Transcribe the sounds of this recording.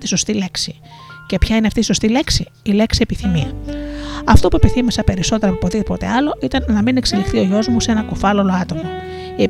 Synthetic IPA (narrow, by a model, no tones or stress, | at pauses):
t̪i̥so̞st̪ile̞ksi | ce̞pçɐineɐft̪iːso̞st̪ile̞ksi | ile̞ksiepiθimiɐ | ɐft̪o̞pue̞piθimisɐpe̞ɾiso̞t̪e̞ɾɐpopoðipo̞t̪e̞̰ɐlo̞ʔit̪ɐnːɐmine̞kselixt̪io̞ʝo̞zmuse̞nɐkofɐlolo̞ɐt̪o̞mɐ | ie